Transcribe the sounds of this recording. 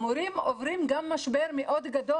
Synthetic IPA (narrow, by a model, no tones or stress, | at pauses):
muɾimovɾimɡamːaʃbeɾmeʔod̪ɡad̪o